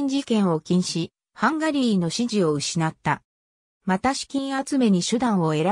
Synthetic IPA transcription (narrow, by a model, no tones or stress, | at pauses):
ɲd͡ʑikẽ̞ɰ̃o̞kʲĩɰ̃ɕi | hãŋɡaɾʲiːno̞ɕiʑio̞ɯ̟ɕinat̪ːa | mat̪aɕi̥kʲĩɰ̃at͡sɨme̞ɲ̟iɕɨd̪ãɰ̃o̞e̞ɾa